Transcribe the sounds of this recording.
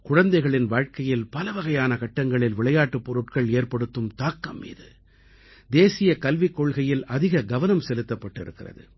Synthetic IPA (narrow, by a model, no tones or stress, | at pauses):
kʊɻɐnd̪ɐɪɣɐɭɪnʋaːɻkɐjɪlpɐlɐʋɐɣɐjaːnɐkɐʈːɐŋɡɐɭɪlʋɪɭɐjaːʈːɯpːɔɾɯʈkɐɭeːrpɐɽɯt̪ːɯmt̪aːkːɐmːḭːðɯ | d̪eːsɪjɐkɐlʋɪkːɔɭɣɐjɪlɐðɪɣɐɡɐʋɐnɐmsɛlɯt̪ːɐpːɐʈːɪ̰ɾɯ̰kːɪrɐ̰ðɯ̰